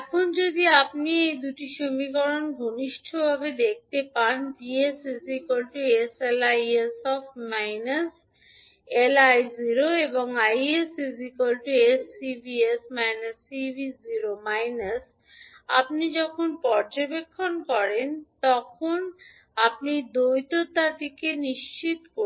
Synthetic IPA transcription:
ɛkʰond͡ʑod̪iapniejd̪uʈiʃomikɔɾonɡʱoniʃʈʰobʱabed̪ek̚t̪epand͡ʑiesisikolʈueselajesɔfʈmajnas | elajziɾoeboŋajesizikolʈuesːibiesmajnasːibʱiziɾomajnas | a̰p̚nid͡ʑɔkʰonpɔɾd͡ʑobekʰːonkɔɾent̪ɔkʰon | apnid̪ojt̪ot̪at̪ikeniʃt͡ɕit̪ko

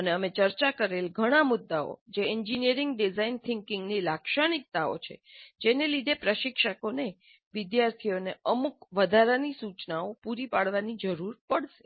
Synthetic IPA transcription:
əneəmet͡ʃəɾt͡ʃakəɾelɡʱəɽ̃amʊd̪ːao̰d͡ʒeɛɲd͡ʒinijəɾɪŋɡɖizaint̪ʰɪŋkɪ̃ŋɡnilakʃaɽ̃ik̚t̪ao̰t͡ʃʰḛd͡ʒenelid̪ʱepɾəʃɪkʃəkone | ʋɪd̪jaɾt̪ʰioneəmukʋəd̪ʱaɾanisut͡ʃnaopuɾipaɽʋanid͡ʒəɾuɾpəɽʃe̥

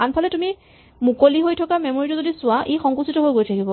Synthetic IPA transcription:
anpʰalɛtumi | mukoliɦojtʰɔkamɛmoɹitɔzodisʊaʔejxɔŋkusitɔɦojɡojtʰakibɔ

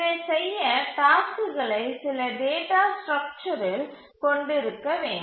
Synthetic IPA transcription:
esɛjːɐʈaːskɯɣɐɭɐɪsɪlɐɖeːʈaːsʈɾɐk̚t͡ʃɐɾɪl | kɔɳɖɪɾɯkːɐʋeːɳɖ

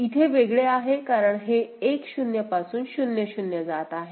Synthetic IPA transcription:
it̪ʰeʋeɡɭeaɦekaɾəɳɦeːkɕunjəpasuːnɕunjəɕunjəd͡zat̪aɦe

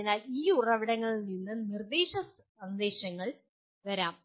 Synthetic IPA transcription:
inaːliːurɐʋiɽɐŋːɐɭninːɨnird̪eːɕɐs | ɐnd̪e̞ːɕɐŋːɐɭ | ʋɐɾaːm

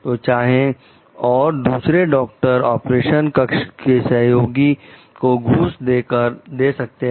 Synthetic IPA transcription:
t̪oːt͡ʃaːɦẽ | ɔːɾd̪uːsɾeɖɔːk̚ʈəɾɔːpɾeːʃənkəkʃkesɐɦjoːɡi | koɡʱuːsd̪eːkəɾd̪eːsɐk̚t̪eɦ

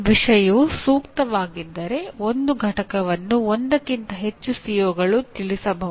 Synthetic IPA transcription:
ʋiʂɐjusuːkt̪ɐʋaːɡid̪ːɐɾe̞ond̪uɡʱɐʈɐkɐʋɐnːuond̪ɐkːint̪ɐɦe̞t͡ʃːusijoːɡɐɭut̪iɭisɐbʱɐɦu

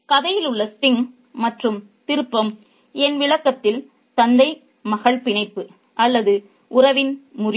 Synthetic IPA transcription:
kɐðɐjɪlɯɭːɐstɪŋ | mɐʈrɯm | t̪ɪɾɯpːɐm | ɛnʋɪɭɐkːɐt̪ːɪl | t̪ɐnd̪ɐɪ | mɐɣɐɭpɪɳɐɪpːɯ | ʔɐlːɐðɯ | ʔʊrɐʋɪnmʊr

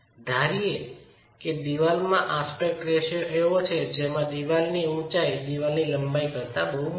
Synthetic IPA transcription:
d̪ʱaɾie | ked̪iʋalmãʔaspek̚ʈɾeʃoeot͡ʃʰed͡ʒemãd̪iʋalniũt͡ʃajd̪iʋalniləmbaikəɾt̪abəɦu

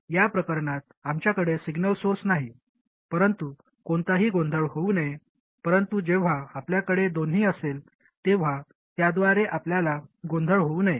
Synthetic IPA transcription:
japɾəkəɾɳat̪̚amt͡ɕjakəɽesiɡnəlsosnaɦi | pəɾənt̪u | koɳt̪aɦiːɡõnd̪ʱəɭɦounəje | pəɾənt̪ud͡ʑeʋ̤aapljakəɽed̪oniːəsel | t̪eʋ̤a | t̪jad̪ʋaɾeʔapljalaɡond̪ʱəɭɦouːnəje

